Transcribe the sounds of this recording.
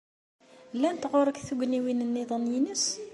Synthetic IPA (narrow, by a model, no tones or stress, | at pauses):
lːænt̪ʁʊɾˤəkθuɡniwinənːeðˤənjinəs